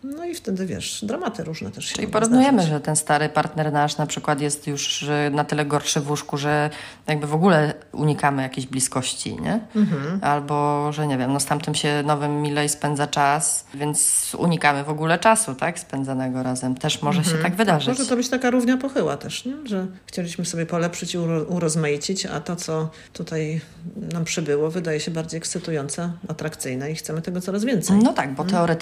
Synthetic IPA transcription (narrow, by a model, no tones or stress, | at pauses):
nɔift̪ɛd̪ɘvʲjɛ̰ʂd̪ɾamat̪ɘɾuʐnɛ̰t̪ɛʂʈ͡ʂɨ̰liipɔɾuvnujɛmɘʐɛt̪ɛnst̪aɾɘpaɾt̪nɛɾnaʂnapʂɘkwat̪jɛst̪juʂnat̪ɘlɛɡɔɾʂɘvwuʂkuʐɛ | jaɡ̚bɘvɔɡulɛ | ṵɲikamɘjakʲeʑblʲiskɔɕt͡ɕḭɲɛ̰ | albɔʐɛɲɛvʲjɛmnɔst̪amt̪ɛmɕɛnɔvɘmːʲilɛispɛnd̪zat͡ʂasvʲjɛnt̪sṵɲikamɘvɔɡulɛt͡ʂasut̪akspɛnd̪zanɛɡɔɾazɛmt̪ɛʂmɔʐɛɕɛt̪aɡvɘd̪aʐɨmɔʐɛt̪ɔbɘt͡ɕt̪akaɾuvɲapɔxɘwa̰t̪ɛʂɲɛʐɛxt͡ɕelʲiɕmɘsɔbʲjɛpɔlɛpʂɘt͡ɕiuɾɔzmajit͡ɕit͡ɕa̰t̪ɔt̪sɔ | t̪ut̪aj | nampʂɘbɘwɔvɘd̪ajɛɕɛbaɾd͡ʑejɛkssɘt̪ujɔnt̪saat̪ɾakt̪sɘjnɛixt̪sɛmɘt̪ɛɡɔt̪ɔɾazvʲjɛnt̪sɛjnɔt̪aɡ̚bɔt̪ɛɔɾɛt̪